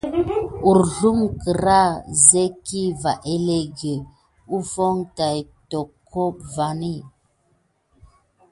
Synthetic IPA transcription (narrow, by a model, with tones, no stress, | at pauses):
u˨ɾɮu˦ŋki˨ɾa˦ze˦ki˦va˨ʔe˦le˦ɡe˨ | u˦fo˦ŋta˨jto˨kʰːo˦kva˨ni˦˨